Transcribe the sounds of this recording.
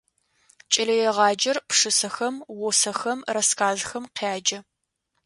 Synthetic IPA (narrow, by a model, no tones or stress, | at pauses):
t͡ʃʼɐlɐjɛʁɑːd͡ʒɐrpʂɨsɐxɐmwʊsɐxɐmrɐskʰaːzxɐmqʰaːd͡ʒɐ